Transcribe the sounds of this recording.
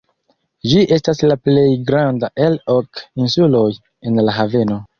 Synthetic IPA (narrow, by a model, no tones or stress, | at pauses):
d͡ʒiʔe̞staslaple̞jɡɾandaʔe̞lokinsulo̞j | e̞nlaɦave̞no̞